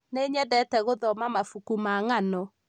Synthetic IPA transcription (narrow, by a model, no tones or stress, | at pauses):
neɲɛdɛtɛɣoðɔmamafukumaŋanɔ